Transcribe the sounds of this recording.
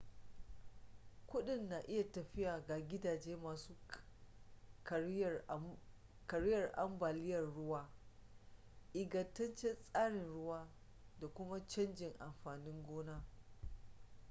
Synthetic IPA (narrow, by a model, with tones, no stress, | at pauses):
kʷʊ˦ɗɪ˨nːa˨ʔɪ˦ja˨tɐ˨ɸɪ˦jaː˨ɡaː˨ɡʲɪ˦daː˨d͡ʒeː˦maː˨suː˦ | kɐ˨ɽɪ˦jɐ˨rʔa̰˦mbaː˨lɪ˦jɐ˨rɽʊ˦waː˦ | ʔɪ˨ɡɐ˨tːɐ˦nt͡ʃɛ˦nsʼaː˦ɽɪ˨nɽʊ˦waː˦ | da˨kʷʊ˦ma˦t͡ʃɐ˦nd͡ʒɪ˨ŋʔa˨mɸaː˨nɪ˦ŋɡʷoː˦naː˦